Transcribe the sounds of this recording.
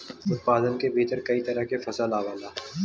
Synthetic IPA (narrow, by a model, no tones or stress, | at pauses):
ʊt̪̚paːd̪ənkebʱiːt̪əɾkɐit̪ɐɾəɦkefɐsəlaːʋaːlaː